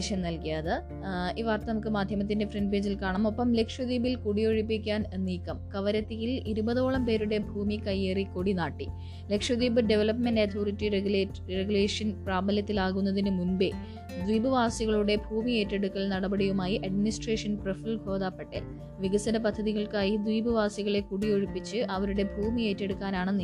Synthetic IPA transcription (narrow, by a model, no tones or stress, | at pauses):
ɕjɐmnɐlkijaːðɨ | iːʋaːrt̪ːɐnɐmukːɨmaːd̪ʱjɐmɐt̪ːinde̞frenɖbeːd͡ʑilkaːɳɐmo̞pːɐmle̞kʂwɐðiːbilkuɽijo̞ɻipːikʲːaːnnːiːkːɐmkɐʋɐɾɐt̪ːijiliɾubɐðo̞ːɭɐmpe̞ːɾuɽe̞bʱuːmikɐjeːriko̞ɽinaːʈːi | le̞kʂɐd̪iːbɨɖe̞ʋɐlɐpmendɐt̪ʰoːritːire | reɡuleːʂɐnpraːbɐljɐt̪ːilaːɣunːɐðinɨmunbe | d̪ʋiːbɨʋaːsiɣɐɭuɽe̞bʱuːmie̞ːtːe̞ɽukːɐɭnɐɽɐbɐɽijumaːjiʔɐɖminisʈreːʂɐnprefilɡʱo̞ːd̪aːpːeʈːḛn | ʋiɣɐsɐnɐpɐd̪ʱːɐðiɣɐɭkaːjid̪wiːbɨʋaːsiɣɐɭe̞kuɽijo̞ɻipːit͡ɕːɨʔɐʋɐɾuɽe̞bʱuːmije̞ːtːe̞ɽukːaːnaːɳɨnː